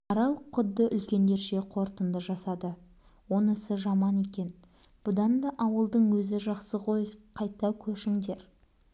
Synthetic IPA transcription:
ɑɾɑlˠqʰʊd̪ːəʔʏlkʲe̞nd̪e̞ɾʃe̞qʰo̞ɾt̪ənd̪əʒɑsɑd̪ə | wo̞nəsəʒɑmɑne̞kʲe̞n | b̥ʊd̪ɑnd̪ɑʔɑwəlˠd̪əɴwɵzɪʒɑqsəʁʰo̞jqʰɑjt̪ːɑwkʲʰɵʃɪŋd̪e̞ɾ

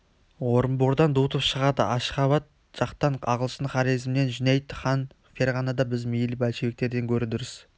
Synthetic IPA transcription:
wo̞ɾəmboɾd̪ɑnd̪ut̪əpʃəʁɑd̪əʔɑʃχɑβɑt̪̚ | ʒ̥ɑqt̪ɑɴɑʁəlˠʃənχɑɾijzmne̞nʒɪnejt̪χɑn | fe̞ɾʁɑnɑd̪ɑbɪzmijlɪbælʃɪbe̞k̚t̪e̞ɾd̪e̞ŋkʲʰɵɾɪd̪ɪɾɪz̥

